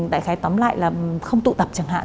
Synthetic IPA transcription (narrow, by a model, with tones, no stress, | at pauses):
ɗ̪a̰ː˧˨jxaː˨˦jt̪ɔ˨˦mla̰ː˧˨jlaː˨˩xə˧wŋ͡mt̪ṵ˧˨t̪ə˨˩p̚t͡ɕa˨˩ŋɦa̰ː˧˨n